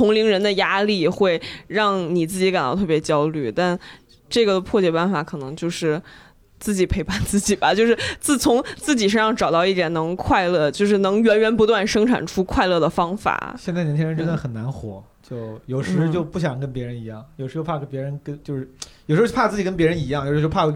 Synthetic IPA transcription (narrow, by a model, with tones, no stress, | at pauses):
t̪ʰʊ˧˥ŋli˧˥ŋɻə˧˥nd̪ə˧ja˥li˥˩xwe˥˧ɪɻɑ˥˩ŋni˨˩t͡sɹ̩˥˩t͡ɕi˧˥ka˨˩nɑ̰˥˧ʊt̪ʰɤ˥˩pjt͡ɕjɑ˥ʊly˥˩t̪a˥˧n | ʈ͡ʂɤ˥˩ɡə˩pʰwɔ˥˩t͡ɕjɛ˨˩pa˥˩nfa˧˥kʰɤ˨˩nɤ˧˥ŋt͡ɕjo˥˧ʊʂɻ̩˥˩ | t͡sɹ̩˥˩t͡ɕi˨˩pʰe˧˥ɪpa˥˩nt͡sɹ̩˥˩t͡ɕi˨˩bɐ˩t͡ɕjo˥˧ʂɻ̩˥˩t͡sɹ̩˥˩t͡sʰʊ˧˥ŋt͡sɹ̩˥˩t͡ɕi˨˩ʂ̬ɤ˥ŋʂɑ˥˩ŋʈ͡ʂɑ˨˩ʊt̪ɑ˥˧ʊi˥˩jɛ˨˩nnɤ˧˥ŋkʰwa˥˧ɪlɤ˥˧˩t͡ɕjo˥˧ʊʂ̬ɻ̩˥˩nɤ˧˥ŋɥɛ˧˥nɥɛ˧˥npu˧˥t̪wa˥˩nʂɤ˥ŋʈ͡ʂʰa̰˨˩nʈ͡ʂʰu˥kʰwa˥˧ɪlɤ˥˩d̪ə˩fɑ˥ŋfa̰˨˩˦ɕjɛ˥˧t͡sa˥˩ɪnjt͡ɕʰɛ˥ɻə˧˥nʈ͡ʂə˥nd̪ə˨˩xə˨˩nna˧˥nxwɔ̰˧˥ | t͡ɕjo˥˩ʊjo˨˩ʊʂɻɻ̩˧˥˧t͡ɕjo˥˧ʊpu˥˩ɕ̬jɑ˨˩ŋkə˥npjɛ˧˥ɻə˧˥ni˧˥jɑ˥˩ŋjo˨˩ʂɻ̩˧˥o˥pʰa˥˩kə˥npjɛ˧˥ɻə˧˥nkə˥nt͡ɕjo˥˧ʊʂɻ̩˥˩jo˨˩ʂ̩˧˥˩pʰa˥˧t͡sɹ̩˥˩t͡ɕi˨˩k̬ə˥np̬jɛ˧˥ɻə˧˥ni˧˥jɑ˥˩ŋjo˨˩ʂ̩˧˥˧o˥pʰ